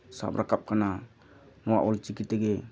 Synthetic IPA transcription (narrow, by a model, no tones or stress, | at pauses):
sa̰pɾʔakap̚kana | nɔwa̰ʔɔlt͡ʃikit̪ɛɡɛ